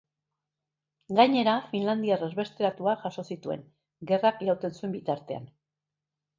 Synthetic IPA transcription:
ɡaɲe̞ɾafinland̪iarezβe̞st̪e̞ɾat̪uaʝaʃo̞sit̪ue̞̰ŋ | ɡe̞rakʎawt̪e̞nsue̞mbit̪aɾt̪e̞a̰n

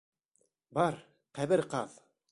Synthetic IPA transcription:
bɑɾ | qæβɘɾqɑð

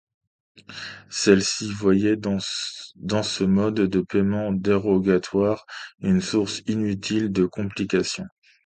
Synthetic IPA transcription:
sɛlsivwajɛ̃ | d̪ɑ̃səmɔd̪ːəpɛmɑ̃d̪eʁɔɡat̪ʰwaʁynsuʁsinyt̪ʰild̪əkɔ̃plikasjɔ̃

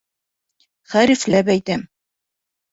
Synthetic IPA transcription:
χæɾiflæp̬æjt̪æm

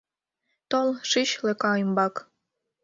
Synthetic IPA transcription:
t̪olʃiɕlĕkɑimbɑk

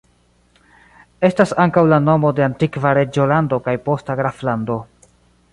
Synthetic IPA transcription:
e̞stasaŋkawlano̞mo̞de̞antikvaɾe̞d͡ʒo̞lando̞kajpo̞staɡɾaflando̞

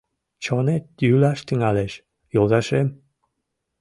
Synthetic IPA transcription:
t͡ɕonet̪jylɑʃt̪yŋɑleʃ | jolˠzɑʃem

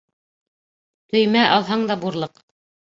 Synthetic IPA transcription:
t̪ɵ̆jmæʔɑlˠɦɑɴd̪ɑbuɾlˠɤq

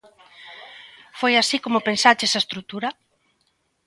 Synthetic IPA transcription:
fojasikomʊpensat͡ʃesaest̪ɾut̪uɾa

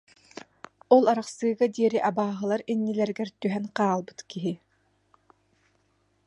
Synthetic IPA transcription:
ɔlˠaɾaχsɯːɡad̪iɛɾiʔabaːɦɯlˠaɾinːilɛɾɡɛɾt̪yɦɛnqaːlˠbɯt̪kiɦi

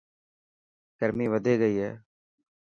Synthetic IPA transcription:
kəɾmiːʋəd̪ʱeːɡəiːɦɛ̰ː

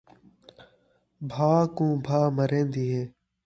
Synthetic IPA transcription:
bʱaːkũːbʱaːməɾẽːnd̪iːɦẽː

